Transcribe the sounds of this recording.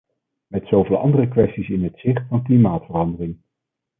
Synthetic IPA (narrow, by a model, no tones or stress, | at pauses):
mɛtsowvɪːlˠʔɑ̰ndərəkʋɛstisɪnɦətsɪχtfɑnklimaːtfərɑndərɪŋ